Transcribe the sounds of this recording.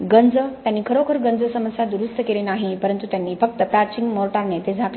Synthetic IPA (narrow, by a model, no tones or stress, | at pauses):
ɡənd͡zət̪janːiːkʰəɾokʰəɾɡənd͡zəsəməsjad̪uɾust̪ʰəkelenaɦipəɾənt̪ut̪janːiːfək̚t̪əpat͡ɕiŋɡmoɾʈaɾnet̪ed͡zʱak